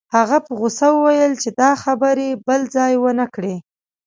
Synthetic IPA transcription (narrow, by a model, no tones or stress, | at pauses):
haɣapəɣʊsawəwajəlt͡ʃed̪ɑxabəɾebəld͡zɑjwənəkɽe